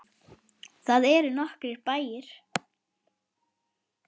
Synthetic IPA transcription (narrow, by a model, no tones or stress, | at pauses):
θaðɛɾʏnɔhkɾɪɾpaːjɪɾ̥